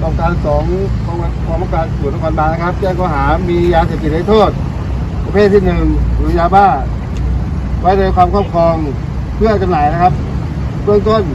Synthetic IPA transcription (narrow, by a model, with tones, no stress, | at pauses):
ʔɔː˨˩kaː˧nsɔː˩˦ŋkʰɔ˧a˧˩kʰɔː˧˦ma˧˦kaː˨˧˩nsu˨˩˦nɔ˧kʰa˧nbaː˥˩na˧kʰa˦˥p̚t͡ɕɛː˥˩ŋkɔː˧˩ɦaː˩˦miː˧jaː˧seː˨˩t̪i˨˩t̪̚na˧˦jt̪ʰoː˥˩t̪̚ | pɾa˧pʰeː˥˩t̪̚sʰi˥˩nːɯ˨˧ŋɾɯː˨˧˦jaː˧wbaː˥˩ | wa˦˥jnoː˧jkʰwaː˧mkʰɔː˥˩kʰɔː˧ŋ | pʰɯ˥˩ɐt͡ɕ̪a˧mnaː˨˩jna˦˥˩kʰa˦˥p̚ | bɯ˥˩əŋt̪o˥˩n